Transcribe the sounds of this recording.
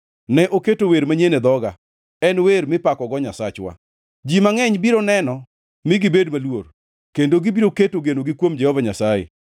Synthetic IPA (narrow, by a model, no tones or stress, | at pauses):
nɛʔoketoweɾmaɲened̪ɔɡa | ɛnweɾmɪpakɔɡɔɲasat͡ʃwa̰ | d͡ʒimaŋɛɲbiɾonɛnɔ | mɪɡɪbedmalwor | kendoɡɪbiɾoketoɡenoɡɪkwomd͡ʒɛhɔvaɲasajḛ